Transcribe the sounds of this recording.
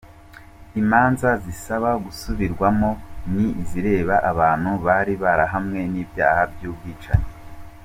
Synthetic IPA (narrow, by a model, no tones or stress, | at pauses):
imaːnzazisaβaɡusuβiɾɡwamo̞niiziɾe̞ːβaʔaβaːn̥huβaɾiβaɾaɦamŋe̞niːbja̰ːhabjuːbɡiːt͡ʃa̰ɲe